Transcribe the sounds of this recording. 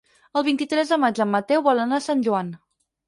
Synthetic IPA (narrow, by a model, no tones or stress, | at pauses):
əlˠβint̪it̪ɾɛzðəmad͡ʒəmːət̪ɛwβɔlənasanʲʒuan